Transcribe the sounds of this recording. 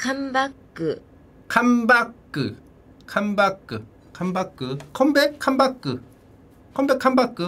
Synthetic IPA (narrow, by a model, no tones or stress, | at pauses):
kʰambakːɯ | kʰambakːɯ | kʰambakːɯ | kʰambakːɯkʰombekʰãmbakːɯ | kʰõmbekʰambakːɯ